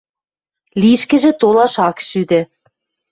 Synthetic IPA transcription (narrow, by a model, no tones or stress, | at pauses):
liʃkɘ̆ʒĕt̪olɑʃɑkʃyd̪ĕ